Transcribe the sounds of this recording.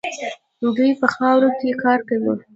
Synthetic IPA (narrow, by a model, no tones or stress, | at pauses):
luɡəjpəxɑwɾokekɑɾkawi